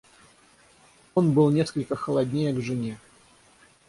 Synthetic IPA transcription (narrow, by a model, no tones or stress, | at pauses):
o̞nbɨlˠnʲe̞skəlʲkəxəlˠɐdʲnʲejəɡʐɨnʲe